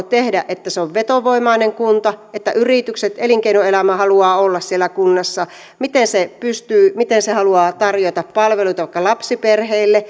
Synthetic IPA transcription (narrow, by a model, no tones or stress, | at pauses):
t̪ehdæʔʔet̪ːæseoʋʋet̪oʋoimɑineŋkunt̪ɑet̪ːæʔyrit̪ykset̪eliŋkeinoelæmæhɑluɑːolːɑssielækunːɑsːɑ | mit̪ensepyst̪yːmit̪ensehɑluɑːt̪ɑrjot̪ɑppɑlʋeluit̪ɑʋɑˑikːɑlɑpsiperheilːe